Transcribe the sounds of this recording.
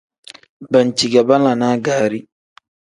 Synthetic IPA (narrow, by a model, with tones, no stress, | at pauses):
ba˨nt͡ʃi˨ɡa˨ba˦nla˨naː˦ɡaː˨ɾi˦